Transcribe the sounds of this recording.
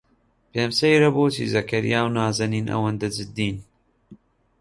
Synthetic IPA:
peːmsejɾɐboːt͡ʃḭzɐkɐɾḭjaːwnaːzɐniːnʔɐ̰wɐnd̪ɐd͡ʒɨd̪ːiːn

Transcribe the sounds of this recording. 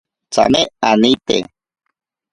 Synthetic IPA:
t͡sa̰meanit̪ḛ

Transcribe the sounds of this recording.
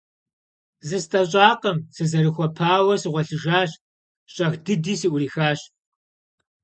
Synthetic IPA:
zɨstʼɐɕʼaːqɐmsɨzɐɾɨxʷɔpʰaːwɐsɨʁʷɔɬɨʒaːɕ | ɕʼɐxdɨdiːsiːʔʷʊɾiːxaːɕ

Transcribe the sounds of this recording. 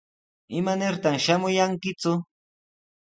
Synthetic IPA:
ɪmanɪɾt̪amʃamʊjaŋkɪt͡sʊ

